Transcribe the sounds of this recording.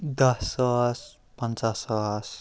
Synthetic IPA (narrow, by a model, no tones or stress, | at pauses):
d̪ʌsʌs | pənt͡sasʌs